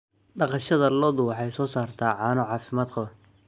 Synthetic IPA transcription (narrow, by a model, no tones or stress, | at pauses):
ɖɑqɑʃɐðɐlɔðʊwɑħɑjsɔːsaːrt̪ʰaːʕɑːnʊʕɑːfɪmaːd̪kʰɔ